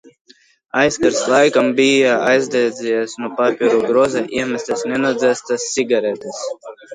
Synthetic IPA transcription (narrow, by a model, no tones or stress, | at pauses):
ajskaɾslˠajkambijaajzd̪ajd̪zʲɛjɛsnupapʲiɾuɡɾɔzaʔiɛmʲæsʲt̪ɛsnʲɛnɔd̪zæst̪asːʲiɡaɾɛt̪ɛs